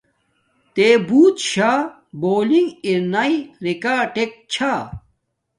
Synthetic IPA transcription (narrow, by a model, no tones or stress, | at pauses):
t̪ebuːt̪ɕa | boːliŋɡiɾnɐiɾikaʈek̚t͡ɕʰa